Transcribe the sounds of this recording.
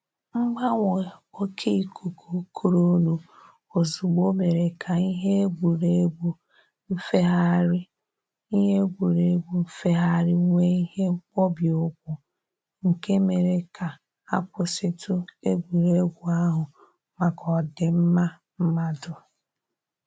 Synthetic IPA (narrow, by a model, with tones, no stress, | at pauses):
ŋ͡m̩˦ɡ͡ba˦ŋʷɔ˨o˦kʰe˦i˨kʰu˨kʰu˨˦kʰu˨ɾo˦nu˨ | o˨zu˨ɡ͡bo˦me˨ɾe˨kʰa˨i˦ɦe˦ɡʷu˨ɾe˦ɡʷu˨ | m̩˦fe˦ɦa˦ɾɪ˦ | i˦ɦe˦ɡʷu˨ɾe˨˦ɡʷu˨m̩˦fe˦ɦa˦˨ɾɪ˦ŋʷe˦i˦he˦k͡pɔ˦bi˨ʊ˦kʷʊ˨ | ŋ̩˨ke˦me˨ɾe˨ka˨ | a˦kʷʊ˨sɪ˦tʊ˦e˦ɡʷu˨ɾe˦ɡʷu˨a˦ɦʊ˨ | ma˨kɔ˨dɪ˨m̩˦ma˦ | m̩˦ma˦dʊ˨